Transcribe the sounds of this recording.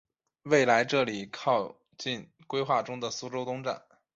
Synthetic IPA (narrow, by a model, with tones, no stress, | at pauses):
we˥˩ɪla˧˥ɪʈ͡ʂɤ˥˩li˨˩kʰɑ˥˧ʊ | t͡ɕi˥˩n | kwe˥ɪxwa˥˩ʈ͡ʂʊ˥ŋd̪ə˨su˥ʈ͡ʂo˥ʊt̪ʊ˥ŋʈ͡ʂa̰˥˩n